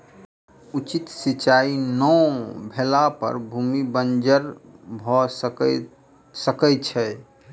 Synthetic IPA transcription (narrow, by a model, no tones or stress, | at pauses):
ut͡ʃit̪sit͡ʃainɔbʱelapə̰ɾbʱumibənd͡ʒəɾbʱɔ | səkət͡ʃʰɛ